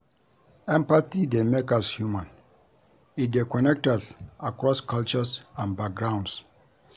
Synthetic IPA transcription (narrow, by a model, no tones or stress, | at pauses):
ɛ̃mpatidemekashjumãn | it̚dekɔnɛk̚tasakɹɔskʰalt͡ʃəsãnbak̚ɡɹãw̃nds